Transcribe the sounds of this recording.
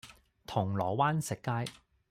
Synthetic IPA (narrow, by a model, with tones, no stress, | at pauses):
t̪ʰʊ˨˩ŋlɔː˨˩waː˥nsɪ˨kːaː˥j